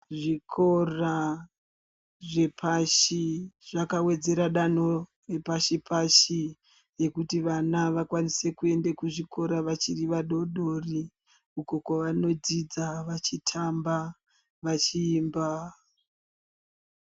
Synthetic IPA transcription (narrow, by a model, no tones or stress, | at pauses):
ʐikʰo̞ra | ʐe̞pʰaʃiʐakawe̞d͡ze̞ɾaɗano̞ | repaʃipʰaʃi | je̞kutiʋanaʋakwanise̞kue̞ndakuʐikʰo̞ɾaʋat͡ʃiriʋaɗo̞ɗo̞ri | uko̞kwaʋano̞d͡zid͡zaʋat͡ʃitʰamba | ʋat͡ʃiːmba